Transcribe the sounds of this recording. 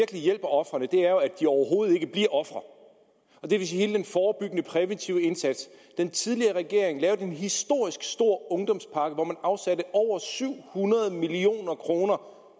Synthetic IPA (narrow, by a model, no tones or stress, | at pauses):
ɐɡ̥əlijel̰b̥ɐɒ̽fʁɐnəd̥e̝æɐjo̝æd̥iɒʊɐɦo̝ːð̩ˠe̝ɡ̥əb̥liɐ̰ʔɒ̽fʁɐ | ɒ̽d̥e̝ʋes̬iːhe̝ːld̥enfɒːb̥yɡ̥ənəpʰʁɛʋent͡sʰiʊe̝nsæd̥sd̥ent͡sʰið̞ˠliɐːʁɛɡ̥e̝ɐ̰e̝ŋlɛːʊd̥enɦisd̥o̝ɐ̰isɡ̥sd̥o̝ɐ̰ɔ̽ŋd̥ɒ̽mspʰɑ̈ɡ̥əʋɒmænɑ̈ʊsæɾəʔɒʊ̰ɐsyʊ̰hunɐð̞ˠmilio̝̰ːnɐkʰʁo̝ːnɐ